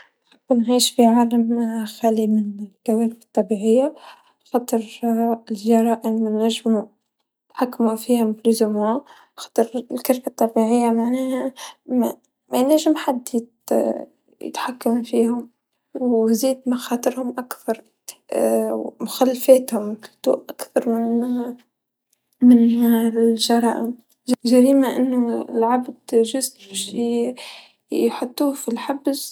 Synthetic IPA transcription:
nħɪbːnʕiːʃfiʕaːlamxæːlimɪnɪlkawæːlfɑt̪ˤːɑbiːʕɪjːa | xɑt̪ˤɨɾɪlʒɑɾˤɑːʔɪmɪnːæʒːɪmu | t̪ħakːmufiːhʊmfluzʊmu | xɑ̥t̪ˤɨɾlkaɾfat̪ˤːɑbiʕɪjːamaʕnɛːhæm | mænæʒɪmħad̪ːɪd̪ | jɪ̰t̪ħakːamfiːhʊm | wzeːd̪maxɑːt̪ˤɨɾhʊmʔakθɑɾˤ | mʊxalːafɛːt̪hʊmt̪ṵːʔʔakθɑɾˤmɪn | mɪn | ʒɑɾˤɑ̰ːʔɪ̰m | ʒaɾiːmaʔɪnːʊ̰lʕabd̪ʒʊzbæʃ | jħʊt̪ˤːuːfilħabz

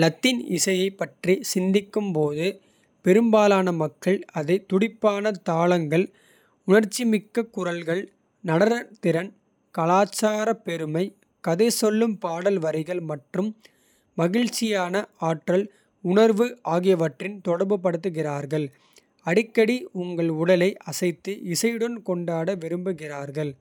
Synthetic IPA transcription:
lɐt̪ːɪnɪ̰sɐjɐɪpːɐʈrisɪnd̪ɪkːɯmpoːðɯ | pɛɾɯmbaːlaːnɐmɐkːɐɭɐðɐɪt̪ʊɽɪpːaːnɐt̪aːlɐŋɡɐɭ | ʊɳɐɾt͡ʃːimɪkːɐkːʊrɐlɣɐɭ | nɐɽɐɾt̪ɪɾɐn | kɐlaːt͡ʃːaːɾɐpɛɾɯmɐɪ | kɐðɐsɔlːɯmpaːɽɐlʋɐɾɐɪɣɐɭmɐʈrɯmː | ɐɣɪɻt͡ʃːɪjaːnɐaːʈrɐl | ʊɳɐɾʋɯaːɣɪjɐʋɐʈrɪnt̪ɔɽɐɾbɯp̬ːɐɽɯt̪̬ːɯɣɪraːɾɣɐɭ | ɐɽɪkːɐɽiʊŋɡɐɭʊɽɐlɐɪʔɐsɐɪt̪ːɯʔɪsɐjɽɯnkɔɳɖaːɽɐʋɪɾɯmbɯɣɪraːɾɣɐɭ

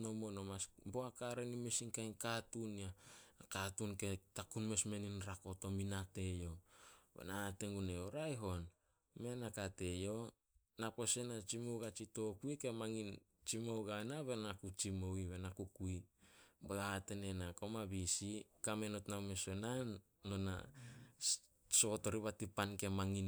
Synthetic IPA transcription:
nomonomasboakaɾenime̞siŋkajnkatunaakatunke̞takunme̞sme̞ninɾako̞to̞minate̞jo̞bḛnaːte̞ŋɡuneoɾajɦo̞n | me̞nakate̞jo̞ | napo̞se̞nat͡ʃimoɡat͡ʃito̞kuike̞maŋint͡ʃimowɡanaβenakut͡ʃimowiβenakukuibeɡate̞ne̞nako̞maβisikame̞notnawme̞sonanː | ona̰ | so̞to̞ɾiβatipanke̞maŋin

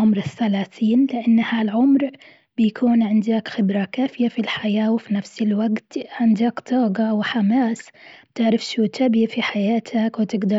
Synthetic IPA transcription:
ʊmɾɪθːalaːθiːnlɪʔanːhalʕʊmɾ | b̥ɪjakʰuːnʕɪnd̪akxɪbɾakaːfɪjafilħajaːwfinafsɪlwaɡt̪ʕɪnd̪aːkt̪ʰˤɑːɡɑwɪħamaːsbt̪ɪʕɾɪfʃuːt̪ʰabifiħajaːt̪ʰakwɪt̪ɪɡd̪ɑ

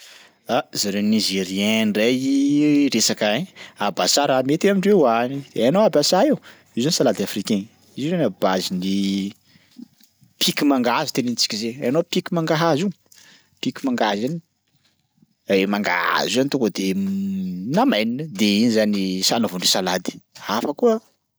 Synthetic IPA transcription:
azaɾenizeɾiɛnrejiɾesakaabasaɾamet̪iamiɳɖ͡ʐweanid̪anoabasaew | izanisalad̪iafrikeɲ | izizenabazini | pʰikimaŋɡazi̥t̪enint͡si̥kʲizeanopikimaŋɡaɦazu | pikimaŋɡazani | emaŋɡa̰a̰zianit̪uŋɡəd̪e | namajninəd̪einizanisanavuɳɖ͡ʐisalad̪i̥afəkuə

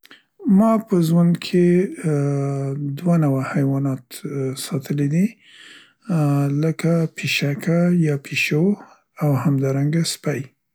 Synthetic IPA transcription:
mɑpəʒwand̪kʰe | d̪wanawahajwɑnɑt̪sɑt̪ʰəled̪i | ləkapʰiʃakʰajɑpʰiʃo | awhamd̪ɑɾaŋɡaspaj

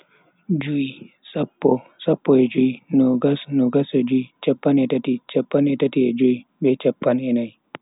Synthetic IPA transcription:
d͡ʒui | sapːɔsapːɔed͡ʒuinɔɡasnoɡased͡ʒuit͡ʃɐpːanetatit͡ʃɐpːanɛtatied͡ʒuibɛt͡ʃɐpːanɛnaj

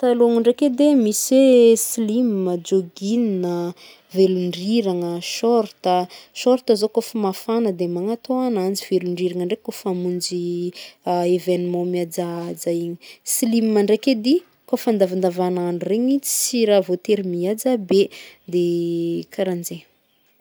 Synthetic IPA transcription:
t̪aloŋəɳɖ͡ʐeked̪emisesilimməd͡ʒoɡininə | veluɳɖ͡ʐiɾaŋəʃɔɾt̪əʃɔɾt̪əzokofəmafanəd̪emaŋat̪oanand͡ziv̥eluɳɖ͡ʐiɾaŋəɳɖ͡ʐekofamund͡ʒi | evenmɔ̃miad͡ʒad͡zajiɲisilimimaɳɖ͡ʐeked̪i | kofand̪avand̪avanaɳureɲit͡si̥siɾavot̪eɾimiad͡ʒabed̪ekʰaɾand͡ʒe

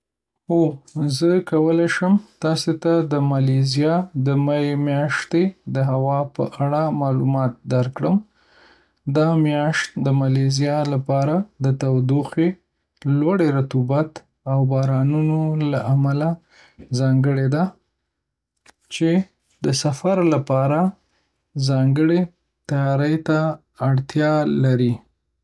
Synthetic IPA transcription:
ozəkawəlajʃəmt̪ɑset̪ad̪əmɑlezijɑd̪əmajemjɑʃt̪ed̪əɦawɑpə̰ʔaɽamɑlumɑt̪̚d̪aɾkɽəm | d̪ɑmjɑʃt̪d̪əmɑlezijɑlapɑɾad̪ət̪awd̪uxe | lwaɽeɾat̪ubat̪ | awbɑɾɑnunolaʔamala | zɑŋɡəɽed̪a | t͡ʃe | d̪əsafaɾlapɑɾa | zɑŋɡəɽe | t̪ajɑɾəjt̪aː | ɽt̪jɑlaɾi

